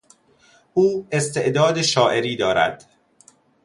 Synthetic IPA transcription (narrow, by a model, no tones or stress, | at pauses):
ʔuːe̞st̪ʰe̞ʔd̪ɒːd̪eʃɒːʔe̞ɾiːd̪ɒːɾæ̰d̪̥